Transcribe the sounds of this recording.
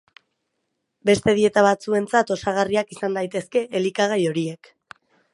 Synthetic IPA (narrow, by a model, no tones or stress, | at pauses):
be̞st̪e̞ð̞ie̞t̪aβat͡sue̞nt͡sat̪o̞saɣ̞ariakisand̪ajt̪e̞ske̞ʔelikaɣ̞ajo̞ɾie̞k